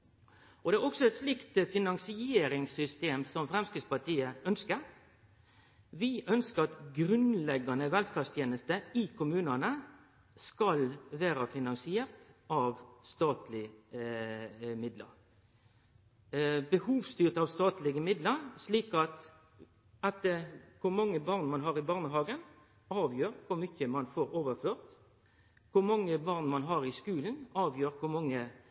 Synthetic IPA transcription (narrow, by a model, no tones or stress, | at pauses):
ɔd̪ɛæɾɔksɔɛt̪slɪkt̪fɪnɑŋsɪeːɾɪŋsʏst̪eːmsɔmfɾɛmskɪd̪spɑʈ̪iːəœnskəɾ | ʋɪʔœnskəɾɑt̪ɡɾʉnlɛɡɑnəʋɛlfɑst̪ʰjeːnəst̪əɪkʰʊmʉːnɑnə | skɑlʋæːɾɑfɪnɑŋsɪeːɾt̪ʔɑʋst̪ɑːt̪lɪ | mɪd̪lə̰ɾ | bəhuːʋst̪yːʁt̪ɑʋst̪ɑːt̪lɪɡəmɪd̪ləɾsliːkɑt̪ | ɑt̪̚əkʰʊɾmɑŋːəbɑʁnmɑnɦɑːɾɪbɑːʁnəɦɑːɡən | ɑːʋjøːɾkʰʊɾmʏçəmɑnfoːɾoːʋəføːʁt̪ | kʰʊmɑŋːəbɑʁnmɑnɦɑɾɪskʉːln̩ɑːʋjøːɾkʰʊmɑŋːə